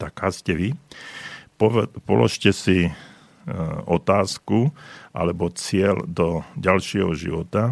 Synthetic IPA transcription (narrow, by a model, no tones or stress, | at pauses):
t̪akaːscɛʋi | pɔpɔ̰lɔ̰ʃcɛsi | ɔt̪aːskuʔa̰lɛbɔt͡sɪɛld̪ɔɟalʃɪɛɦɔʒḭʋɔt̪a